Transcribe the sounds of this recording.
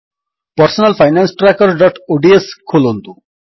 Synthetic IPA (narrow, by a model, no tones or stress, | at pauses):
pʌɾsɔnalpʰajnansʈɾakʌɾɖɔʈoɖieskʰolont̪u